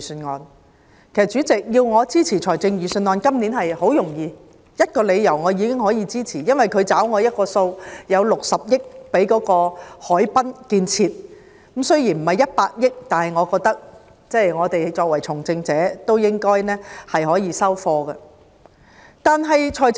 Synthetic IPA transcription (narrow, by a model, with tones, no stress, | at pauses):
snŋɔː˨˧n | kkʰe˨˩sɐ˨t̚t͡ʃyː˨˥t͡sɪ˨k̚jiː˧wŋɔː˨˧t͡siː˥t͡sʰiː˨˩t͡ʃʰɔː˨˩jt͡sɪ˧ŋjyː˨sɵ˧nŋɔː˨˧nkɐ˥mniː˨˥nɦɐ˨jho˨˥wjʊ˨˩ŋjiː˨˧ | jɐ˥t̚kɔː˧le˨˧jjɐ˨˩wŋɔː˨˧jiː˨˧kɪ˥ŋhɔː˨˥jiː˨˧t͡siː˥t͡sʰiː˨˩jɐ˥nwɐ˨jkʰɵ˨˧ɥt͡saː˨˥wŋɔː˨˧jɐ˥t̚kɔː˧so˧wjɐ˨˧wlʊ˨k̚sɐ˨p̚jɪ˥k̚pe˨˥jkɔː˨˥kɔː˧hɔː˨˥jpɐ˥nkiː˧nt͡sʰiː˧t̚ | kmsɵ˥ɥjiː˨˩nm̩˨˩hɐ˨˩jɐ˥t̚paː˧t̚jɪ˥k̚t̪aː˨nhɐ˨jŋɔː˨˧kɔː˧k̚t̪ɐ˥k̚ | t͡sɛː˥˩jŋɔː˨˧t̪e˨jt͡sɔː˧k̚wɐ˨˩jt͡sʰʊ˨˩ŋt͡sɪ˧ŋt͡sɛː˨˦˥t̪o˥wjɪ˥ŋkɔː˥jnɛː˥hɐ˨jɦɔː˨˥jiː˧sɐ˥wfɔː˧ɡɐ˧ | t̪aː˨˩nɦɐ˨jt͡ʃʰɔː˨˩j